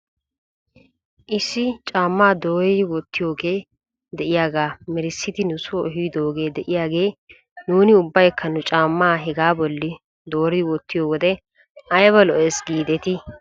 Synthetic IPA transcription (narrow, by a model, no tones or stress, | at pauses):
ʔɪsːɪt͡ʃʼaːmːaːd̪o̞ːɾɪwɔt̪ːɪjo̞ːɡeː | d̪ɛʔɪjaːɡaːmɛɾɪsːɪt̪ɪnʊsoɔɦijd̪o̞ːɡe̞ːd̪ɛʔɪjaːɡe̞ː | nuːnɪʊbːɐjkʰːɐnʊt͡ʃʼaːmːaːɦɛɡaːbɔlːɪ | d̪o̞ːɾɪwɔt̪ːɪjoːwɔd̪ɛ | ɐjβɐlɔʔɛːsɡiːd̪ɛt̪ɪ